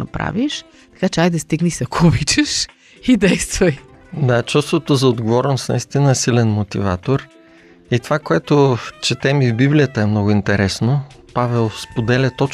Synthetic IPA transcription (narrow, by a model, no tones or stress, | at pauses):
ɐpɾa̰viʃ | t̪ɐ̥kat͡ʃɛajd̪ɐst̪iɡnisɐkʰubit͡ʃəʃ | id̪ɛjst̪vɐj | d̪at͡ʃust̪vot̪ozɐod̪ɡovɔɾɛnosnɐ̰ist̪inəɛsilɛnmot̪ḭva̰t̪oɾ | it̪ovakoɛt̪ʊt͡ʃɛt̪ɛmivbiblijət̪əɛmnɔɡʊint̪ɛɾɛsno | pavɛlˠspod̪ɛlʲət̪ɔt͡ʃ